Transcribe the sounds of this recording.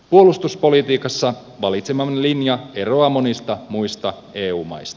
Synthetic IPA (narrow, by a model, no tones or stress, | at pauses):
puo̞lust̪uspo̞lit̪iːkɑsːɑ | ʋɑlit̪semɑnlinjɑeroɑmonist̪ɑmujst̪ɑ | eːuːmɑ̰jst̪ɑ̥